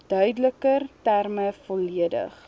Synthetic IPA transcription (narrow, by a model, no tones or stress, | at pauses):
d̥œɥdələkərtærməfɔliədə̰χ